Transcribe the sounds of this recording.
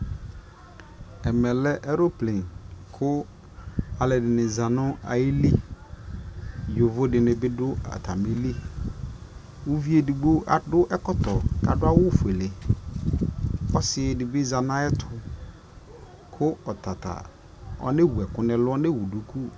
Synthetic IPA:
ɛ˨mɛ˨lɛ˦ʔɛ˦ɾo˦plẽ˨nkʰʊ˦ | a˨lɛ˨dɪ˨nɪ̃˨zã˨nʊ̃˦a̰˨ji˦li˦ | jo˨vo˦dɪ˨nɪ̃˨bɪ˦dʊ˦a̰˨tʰa˨me˦li˦ | wʊ˦vi˦e˨di˨ɡ͡bo˦ʔa˨dʊ˦ʔɛ˦kɔ˦tɔ˨ka˨dʊ˦a˦wʊ˦fu˨e˨le˨ | ɔ˦sɪ˨dɪ˨bɪ˦za˨nã˦ɛ˦tʰʊ˨ | kʰʊ˦ɔ˨tʰa˨tʰa̰˨ | ɔ̰˦nɪ˦wu˨ɛ˨kʊ˦nɪ̃˦lʊ˦ɔ˦nɪ˦wu˨du˨kʰu˦

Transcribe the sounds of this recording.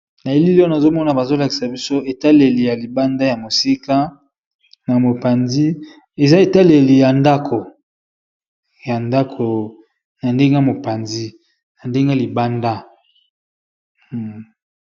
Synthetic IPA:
na˨e˦li˦li˦na˨zo˦mɔ˦na˨ba˨zo˦la˨ki˨sa˨bi˦so˦e˨ta˦le˨li˨ja˨li˨ba˦nda˦ja˨mo˨si˦ka˦ | na˨mo˨pa˨nzi˦ | e˨za˦e˨ta˦le˨li˨ja˨nda˦kʰo˨ | ja˨nda˦kʰo˨ | na˨nde˦ŋɡe˦˨mo˨pa˨nzi˦ | na˨nde˦ŋɡe˦li˨ba˦nda˦˨

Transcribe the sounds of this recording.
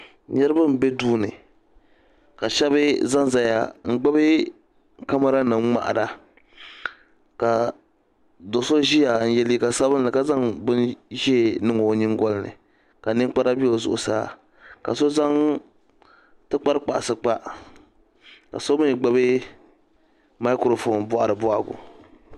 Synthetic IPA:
ɲɛ˦ɾɨ˦ba˦m˨be˦duː˦nɨ̰˨ | ka˨ʃɛ˦βɨ˦za˦ŋza˦ja̰˨ŋ̩˦ɡ͡ba˦bɨ˦ | ka˦ma˦ɾa˦nɨ˨m˦ŋ͡ma̰˨ʔa̰˨da˨ | ka˨ | do˨so˦ʒi˦ja˨n̩˨jɛ˨li˦˨ka˨sa˦bɨ˦nnɨ˨ka˦za˦ŋbɨ˦nʒi˦˨nɨ˦ŋo˨ɲɪ˦ŋ˦ɡɔ˦lnɨ̰˨ | ka˨nɨ˦ŋ˦k͡pa˦ɾa˦bi˦o˨zʊ̰˨ʔʊ˨saː˦ | ka̰˨so˦za˦ŋ | tɨ˦k͡pa˦ɾɨ˦k͡pa˨ʔsɨ˦k͡pa˦ | ka̰˨so˦mɨ˦n˨ɡ͡ba˦bɨ˦ | ma˦kɾo˨fo˨nbʊ˦a˨ɾɨ˨bʊ˦ʔa˦ɡʊ̰˨

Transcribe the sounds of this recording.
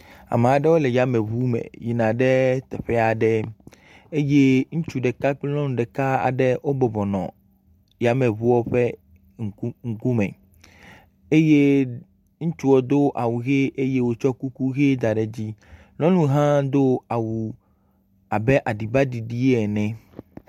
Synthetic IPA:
a̰˨me˨a˨ɖɛ˦wo˦le˨ja˦mɛ̃˨βu˦mḛ̃˨ji˨nã˨ɖɛ˦t̪ɛ˨ɸɛ˦a˨ɖɛ˦ | e˦je˦ŋũ˦t͡ʃu˨ɖɛ˨ka˦k͡plɔ̃˦nũ˨ɖɛ˨ka˦a̰˨ɖɛ˦wo˦bɔ˨bɔ˨nɔ̰̃˨ | ja˨mɛ̃˨βu˦wɔ˦ɸɛ˦ | ŋ˨˦ŋ̩˨ku˦mɛ̰̃˨ | e˦je˦ | ŋũ˦t͡ʃu˦wo˨d̪o˦ʔa˨wu˨ɣe˦ʔe˦je˦wo˦t͡ʃɔ˦ku˦ku˦ɣe˦d̪a˨ɖɛ˨d͡ʑi˦ | lɔ̃˦nũ˦ɦã˦d̪o˦a˨wu˨ | a˨bɛ˦ʔa˨ɖi˨ba˦ɖi˨ɖi˦ɛ˨nɛ̃˨

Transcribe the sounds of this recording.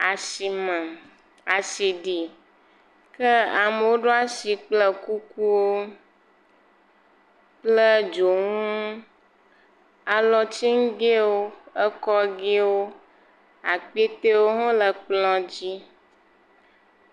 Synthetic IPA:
a˨si˨mə˨ | a˨si˨ɖi˨ | kə˦a˨me˨wo˦ɖo˦a˦si˨k͡plə˦ku˦ku˦wo˦ | k͡plə˦d͡ʒo˨ŋũ˦ | a˨lɔ˨t͡ɕi˦ŋ˦ɡe˦wo˦ə˦kɔ˦ɡe˦wo˦ | a̰˨k͡pe˦t̪e˦wo˦ɦɔ̃˦lə˨k͡plɔ̃˦d͡ʑi˦

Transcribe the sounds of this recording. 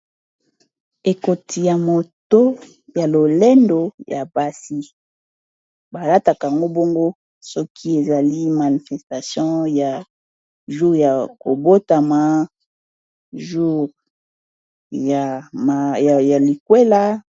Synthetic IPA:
e˨ko˨tʰi˨ja˨mo˨to˦ | ja˨lo˨le˦ndo˨jʔa˨ba˦si˦ | ba˨la˦ta˨ka˨a˨ŋɡo˦bo˦ŋɡo˦ | sɔ˦kʰi˦e˨za˨li˦ma˨ni˨fɛ˨sta˨sjɔ̃˦ja˨ | ʒu˦ʁja˨ko˨bo˦ta˨ma˨ | ʒu˦ʁ | ja˨m˨ja˨li˨kwe˦la˦

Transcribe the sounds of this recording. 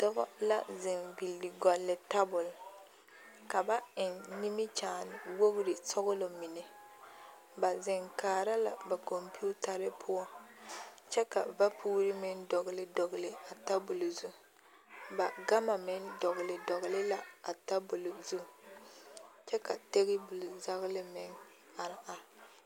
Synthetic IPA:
dɔ˦ɣɔ̰˦la̰˦zɪ˨nbi˨lːi˨ɡɔ˨lːɪ˨ta˦bʊ˨l | ka˨ba˦ɪ˨nni˦mɪ˦t͡ʃaː˨nɪ˨wo˦ɣʊ˦ɾɪ˨sɔ˦ɣʊ˦lo˨mɪ˨ne˨ | ba˨zɪ˨ŋkaː˨ɾa˦la̰˨ba˨ko˨mpi˦u˦ta˨ɾɪ˦pʰʊ˦ɔ˦ | t͡ʃɛ˦ka˨va˦pʰuː˦ɾɪ˦mɪ˦ndɔ˨ɣɪ˨lɪ˦dɔ˨ɣɪ˨lɪ˨a˨ta˦bʊ˨lo˨zu˦ | ba˨ɡa˦ma˨mɪ˦ndɔ˨ɣɪ˨lɪ˨dɔ˨ɣɪ˨lɪ˦la˦a˨ta˦bʊ˨lo˨zu˦˨ | t͡ʃɛ˦ka˨te˦ɣɪ˦bu˨lza˦ɣlɪ˦mɪ˦ŋ | a˨ɾɪ˨˦ʔa˦

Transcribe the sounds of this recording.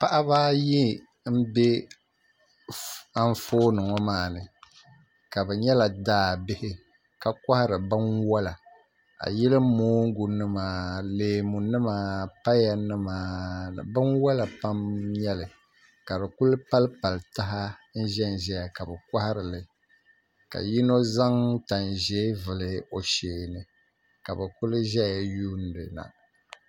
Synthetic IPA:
pa˦ʔa˦βaː˦ji˦ | m̩˦bɛ˦ | a˦ɱ˦foː˦nɨ˨ŋɔ˦maː˨nɨ˨ | ka˨bɛ˨ɲɛ˦la˨daː˦˨bɪ˦hɪ˦ | ka˨kʷa˦ha˦ɾɨ˨bɨ˦nwa˦la˨ | a̰˨jɛ˦lɨ˦moː˦ŋ̩˦ɡu˨nɨ˦maː˨leː˨mu˨nɨ˦maː˨pa˦ja˨nɨ˦ma̰ː˨bɨ˦nwa˦la˨pa˦mɲɛ˦lɨ˨ | ka˨bɨ˨ku˦lpa˦lpa˨lta˦ɦa˦n̩˦ʒɛ˦n˨ʒɛ˦ja˨ka˨bɛ˨ka˦hɾɨ˨lɨ˨ | ka̰˨ji˦no˦za˦ŋta˨n˨ʒɛ˦vɨ˨lɨ˦o˨ʃeː˨nɨ˨ | ka˨bɛ˨ku˦lɨ˦ʒɛ˦ja˨juː˦n˨˦dɨ˨na̰˨

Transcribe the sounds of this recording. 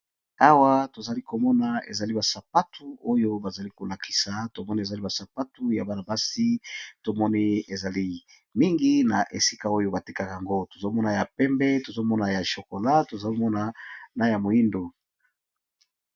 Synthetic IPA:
a˦wa˦to˨za˨li˦ko˨mɔ˦na˨ḛ˨za˨li˦ba˨sa˨pa˦tʰu˨o˦jo˦ba˨za˨li˦ko˨la˨kʰi̥˨˦sa˨to˨mɔ˦ni˦e˨za˨li˦ba˨sa˨pa˦tu˦ja˨ba˦na˨ba˦si˦to˨mɔ˦ni˦e˨za˨li˦ | mi˦ŋɡi˦na˨ʔe˨si˦ka˦o˦jo˦ba˨ti˦ka˦ka˨ŋɡo˦to̥˨zo˦mɔ˦na˨ja˨pɛ˦mbɛ˦to˨zo˦mɔ˦na˨ja˨ʃo˨ko˨la˦to˨za˨li˦mɔ˦na˨na˦ja˨mo˨i˦ndo˨

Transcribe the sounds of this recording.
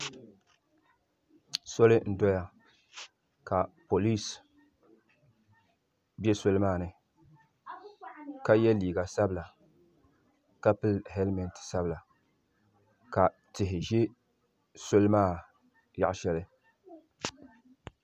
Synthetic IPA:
so˦lɨ˦n̩˦dɔ˦ja˦ | ka˨po˨li˦s | bjɛ˦so˦lɨ˦maː˦˨nɨ˦ | ka˦jɛ˦liː˨ɡa˨sa˦bla˨ | ka˦pɨ˦lhɛ˦lmɛ˨n˨tsa˦bla˨ | ka˨ | tɪ˨ɦɪ˨ʒɛ˦ | so˦lɨ˦maː˦˨ | ja̰˦ʔʃɛ˦lɨ˦

